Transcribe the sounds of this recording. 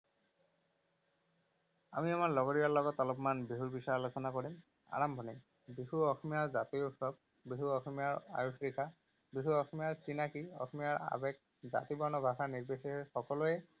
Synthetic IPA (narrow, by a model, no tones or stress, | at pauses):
a̰miamaɹlɔɡɔɹijalɔɡɔtalɔpmanbiɦuɹbisaɹalosɔnakɔɹim | a̰ɹambʱɔni | bihuɔxɔmijaɹzatiupsɔb̚ | biɦuɔxɔmijaɹa̰jupʰɹika | biɦuɔxɔmijaɹsinakiɔ̰xʰɔmijaɹa̰bɛk̚ | za̰tibɔnɔbʱakaniɹbesiɛxɔkɔlʊɛ